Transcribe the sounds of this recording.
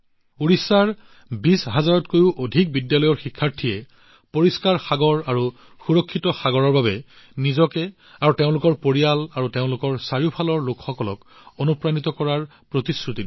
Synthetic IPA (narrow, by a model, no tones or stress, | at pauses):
uɹisːaɹ | bisɦazaɹɔtkojʊʔodʱik̚bidjalɔjɔɹxikʰːaɹtʰiɛ | poɹiskaɹxaɡɔɹaɹu | xuɹɔkʰːitɔxaɡɔɹɔɹbabɛ | nizɔkɛ | aɹuteʊ̃lʊkɔɹpoɹijalaɹuteʊ̃lʊkɔɹsaɹiʊpʰalɔɹlokxɔkɔlɔ̰k | onupɹanitɔkɔɹaɹ | pɹotisɹuti